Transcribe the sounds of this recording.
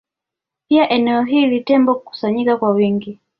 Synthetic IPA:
piaʔɛnɛɔɦilitɛmbɔkuku̥saɲikakwawiŋɡi

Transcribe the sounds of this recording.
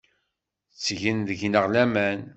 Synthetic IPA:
t͡sːʝinðəʝnəʁlæmæn

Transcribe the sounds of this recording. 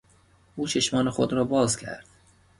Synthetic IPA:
ʔuːt͡ʃʰeʃmɒːnexod̪ɾɒːbɒːzcʲʰæ̰ɾd̪̥

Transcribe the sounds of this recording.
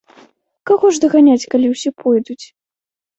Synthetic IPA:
kaɣɔʐd̪ɐɣanʲat͡sʲkalʲiwsʲɛpʰɔjd̪ut͡sʲ

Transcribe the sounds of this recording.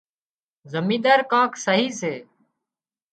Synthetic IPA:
zəmĩːd̪aːɾkãːksəɦiːseː

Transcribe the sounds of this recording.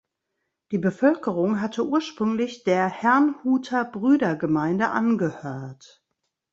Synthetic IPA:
d̥iːbəfœlkəʁʊŋɦatʰəʔuːɐʃpʁ̥ʏŋlɪçd̥eːɐhɛɐnhuːtʰɐbʁyːdɐɡəmaɪndəʔa̰nɡəhøːɐt

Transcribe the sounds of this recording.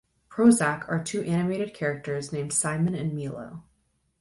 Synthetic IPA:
pʰɹ̥oʊzækʰə˞tʰʉʔæñɨmeɪɾɨd̚kʰɛɹɨk̚tə˞znẽɪ̃md̥sãɪmɨ̃nɨ̃nmilˠo̰ʊ

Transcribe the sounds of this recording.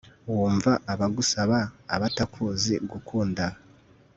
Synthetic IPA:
wuːɱvaʔːβaɡusaβaːβatakʰuziɡukʰuːnda

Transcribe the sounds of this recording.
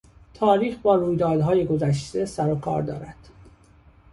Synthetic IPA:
t̪ʰɒːɾiːxbɒːɾuːjd̪ɒːd̪ɦɒːje̞ɡo̞zæʃt̪e̞sæɾokʰɒ̰ːɾd̪ɒ̰ːɾæd̪̥

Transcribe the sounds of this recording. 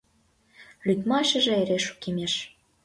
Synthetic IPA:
lʲyt̪mɑʃə̆ʒĕeɾeʃu̥kemeʃ

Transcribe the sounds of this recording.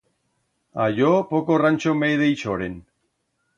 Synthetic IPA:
a̰jopokorant͡ʃomejðejt͡ʃoɾen

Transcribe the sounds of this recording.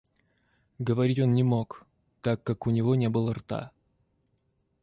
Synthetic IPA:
ɡəvɐɾʲitʲo̞nnʲɪmo̞k | t̪akːakʊnʲɪvo̞nʲe̞bɨlˠərt̪a̰

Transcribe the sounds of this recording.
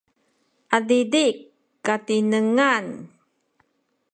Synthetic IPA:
ʔadidikː | atinəŋan

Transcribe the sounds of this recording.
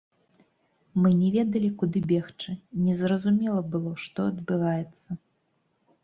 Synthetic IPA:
mɨnʲɛvʲɛd̪ɐlʲikud̪ɨbʲɛxt͡ʂɨnʲɛzɾɐzumʲɛlˠɐbɨlˠɔʂt̪ɔɐd̪bɨvajɛt̪sːɐ

